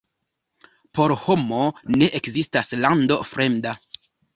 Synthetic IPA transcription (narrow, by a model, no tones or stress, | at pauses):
po̞ɾho̞mo̞ne̞ʔekzistaslando̞fɾe̞mda